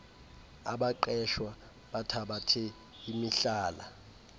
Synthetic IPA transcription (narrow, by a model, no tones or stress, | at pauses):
a̰ɓaǃɛʃwa | ɓatʰaɓatʰɛ | imiɬaːla̰